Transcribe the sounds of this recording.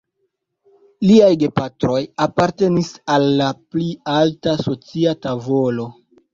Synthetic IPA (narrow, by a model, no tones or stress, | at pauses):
liajɡe̞patɾo̞japaɾte̞nisalːaplialtaso̞t͡siatavo̞lo̞